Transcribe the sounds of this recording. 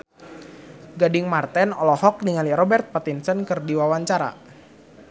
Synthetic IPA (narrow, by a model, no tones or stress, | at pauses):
ɡadɪŋmart̪ɛnɔlɔhɔk̚niŋaliɾɔbɛrt̪̚pat̪insənkɨrdiwawaɲt͡ʃaɾa̰